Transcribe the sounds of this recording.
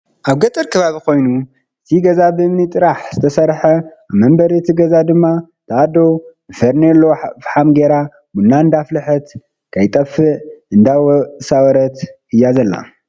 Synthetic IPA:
ʔaβɡɐt̪ʼɨɾkʰɐβaβiko̞jnu | ɨt̪ʰiɡɐzabɨmːɨt̪ʼɨɾaħzɨt̪ʰɐsɐɾħɐaβmɐmbɐɾet̪ʰiɡɐzad̪ɨmːa | t̪ʰad̪o̞ɨfɐɾnelːofħamɡeɾa | munːaɨnd̪aflɨħɨt̪ | kʰajt̪ʼɐfɨʔɨnd̪awsawɾɐt̪ | ɨjazɐlːa̰

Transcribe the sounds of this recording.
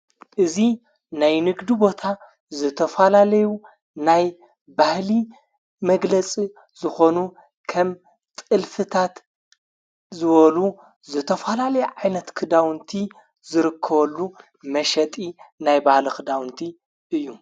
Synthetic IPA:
ʔɨzi | najnɨɡd̪ibo̞t̪ʰa | zɨt̪ʰɐfɐlalɐju | naj | bahli | mɐɡlɐt͡sʼi | z̥ɨxo̞nu | kʰɐm | t̪ʼɨlfɨt̪ʰat̪ | zɨβɐlu | zɨt̪ʰɐfɐlalɐjɛʕajnɐt̪kʰɨd̪awnt̪ʰi | zɨɾɨkʰːɐβɐlːu | mɐʃɐt̪ʼinajbahlɐkɨd̪awnt̪ʰi | ʔɨjːu

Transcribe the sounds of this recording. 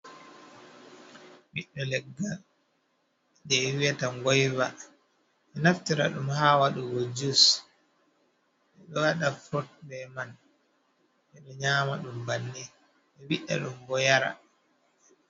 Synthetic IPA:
wiɗːɔlɛɡːa | dɛwiwataŋɡɔjva | ɛnaftiɾa̰ɗumhaːwaɗuɡod͡ʒus | ʔɛɗɔwaɗafɾɔt̚bɛman | ʔɛɗɔɲaːmaɗumbanːi | ɛwiɗa̰ɗumɡɔjaɾa̰

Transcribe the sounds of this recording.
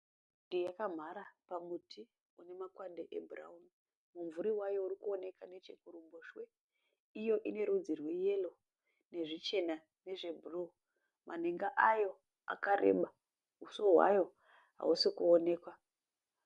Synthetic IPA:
dijakam̤aɾapamutʰi | une̞makwandeʔḛbʱura̰uni | muɱvuɾiwajo̞uɾikuone̞kane̞t͡ʃekuɾumboʃwe | ijo̞ʔine̞ɾud͡zirwe̞je̞lo̞ | ne̞ʐit͡ʃe̞na | ne̞ʐe̞bʱuru | mʔaneŋɡaʔajo̞ | a̰kaɾḛɓa | usoɦwa̰jo̞ | ɦa̰usikuone̞ːkwa

